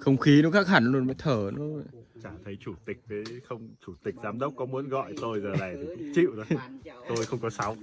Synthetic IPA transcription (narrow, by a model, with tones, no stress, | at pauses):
xə˧wŋ͡mxi˨˦nɔ˨˦kaː˦˥k̚ha˧˩nlu˧nməː˧˦jt̪ʰəː˧˩nɔ˨˦t͡ɕaː˧˩t̪ʰə˨˦jt͡ɕu˧˩t̪ï˨˩k̟̚kəː˨˦jxə˧wŋ͡mt͡ɕu˧˩t̪ï˨˩k̟̚zaː˨˦mɗə˦˥wk͡p̚kɔ˨˦mu˨˦ənɣɔ̰˧˨jt̪o˧jzəː˨˩laː˨˩jt̪ʰi˨˩kt͡ɕḭ˧˨wzo˨˦t̪o˧jxə˧wŋ͡mkɔ˨˦sa˨˦w